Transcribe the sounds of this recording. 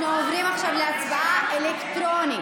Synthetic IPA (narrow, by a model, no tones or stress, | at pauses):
nuovʁimaχʃavleat͡sbaʔaʔelekt̪ʁoni